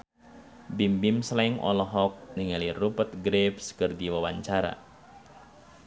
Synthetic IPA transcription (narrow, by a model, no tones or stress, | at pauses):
bimbimslɛŋɔ̰lɔɦɔk̚niŋalirupət̪̚ɡɾepskɨrdiwawaɲt͡ʃaɾa̰